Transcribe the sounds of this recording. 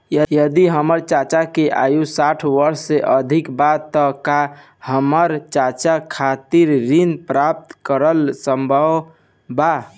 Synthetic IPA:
jəjəd̪iɦəməɾt͡ʃat͡ʃakeʔa̰jusaʈʰʋəɾsːeʔəd̪ʱikbat̪ːɔka | həməɾt͡ʃat͡ʃakʰat̪iɾɾinpɾap̚t̪kəɾəlsəmbʱəʋ | ba

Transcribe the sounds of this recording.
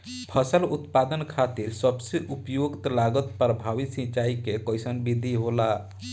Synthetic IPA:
pʰəsəlut̪pad̪ənkʰat̪iɾsəbseʔupjoɡt̪laɡət̪pəɾəbʱaʋisĩt͡ʃaikekəjsənbid̪ʱiɦola

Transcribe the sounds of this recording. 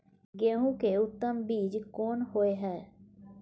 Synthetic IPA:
ɡeːũːkeːʊt̪ːəmbiːd͡ʒkoːnhoːeːɦɛː

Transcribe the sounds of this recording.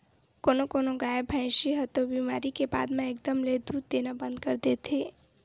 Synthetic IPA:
koːnokoːnoɡaːjebʱə̃ɪ̃ʃiɦət̪obiːmaːɾikeba̰ːd̪mẽeːk̚d̪əmled̪uːd̪̚d̪eːnabə̃nd̪kəɾd̪eːt̪ʰeː

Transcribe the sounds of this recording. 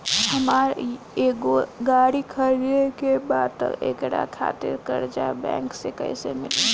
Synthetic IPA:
hɐmaːɾ | eɡoɡaːɽikʰɐɾiɾekebaːd̪t̪ə̰ḛkɽa̰kʰa̰ːt̪ɪ̰ɾkɐɾd͡ʒaːebɛ̰̃ːŋksekə̰isemɪle

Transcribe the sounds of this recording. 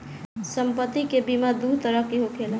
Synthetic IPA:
səmpət̪ːikebimad̪ut̪əɾəɦkeɦokʰel

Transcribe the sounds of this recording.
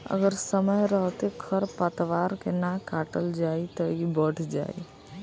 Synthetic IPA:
ə̰ɡəɾsəməjɾəɦt̪ekʰəɾpat̪ʋaːɾkenakaːʈəld͡ʒaːit̪oibəɽd͡ʒa̰ːḭ

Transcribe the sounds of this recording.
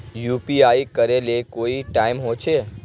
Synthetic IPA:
jupiaikəɾelekoiʈaimɦot͡ʃʰe

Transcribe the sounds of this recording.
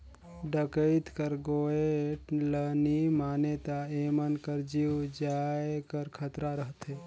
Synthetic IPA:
ɖəkəɪt̪kəɾɡoːelənimaːnet̪aeːmənkəɾd͡ʒiːwd͡ʒaːekəɾkʰət̪ɾaɾəɦt̪ɦeː

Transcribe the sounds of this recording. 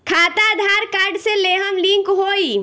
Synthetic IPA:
kʰaːt̪ad̪ʱaːɾkaːɾɖseleːɦəmlĩŋkɦoːi

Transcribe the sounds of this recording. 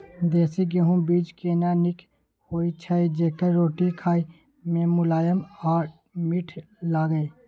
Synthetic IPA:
d̪ɛːsiɡeɦũbiːd͡ʒkeːnanɪk | hoːit͡ʃʰaːid͡ʒeːkəɾɾoːʈikʰaːi | mẽːmʊlaːjəmaː | mɪʈʰ | laːɡəeː

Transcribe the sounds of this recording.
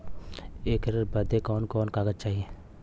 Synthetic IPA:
eːkɾbɐd̪ekɔːnkɔːnkaːɡəd͡ʒ̚t͡ʃaːɦieː

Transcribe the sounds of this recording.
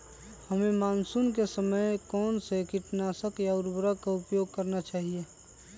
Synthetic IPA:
həmemaːnsunkesəməjkɔːnsekɪʈnaːsəkjaʊɾbɾəkaʊpjoːɡ̚kəɾnat͡ʃaːɦie

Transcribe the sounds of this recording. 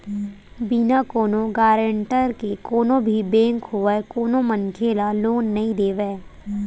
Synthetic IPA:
binakoːnõɡaːɾə̃ɳʈəɾkekoːnõbʱibɛ̃ːŋkɦoekoːnõmənkʰeːlaloːnːɐɦĩd̪eːʋɛː

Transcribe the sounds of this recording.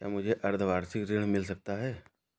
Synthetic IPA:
kja̰ːmʊd͡ʒʱeʔɐɾd̪ʱʋaːɾsɪkɾɪɽ̤̃mɪls̬ɐk̚t̪aɦɛː

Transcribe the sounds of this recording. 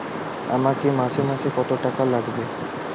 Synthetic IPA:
a̰makimasemasʰekɔt̪oʈakalaɡbe

